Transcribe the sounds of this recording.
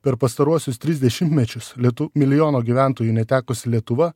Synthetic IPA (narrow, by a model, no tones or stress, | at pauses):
pʲɛɾpɐst̪ɐɾuɔsʲʊst̪ʲɾʲɪzʲd̪ʲɛʃʲɪmʲt̪ʲmʲɛt͡ʃʲʊslʲt̪ʊmʲɪlʲɪjoːnoːɡʲiʋʲæˑnt̪oːjuːnʲɛt̪ʲæːkoːsʲɪlʲiɛt̪ʊʋɐ